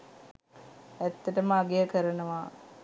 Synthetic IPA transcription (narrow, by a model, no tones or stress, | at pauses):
æt̪ːəʈəməaɡejəkəɾənəʋaː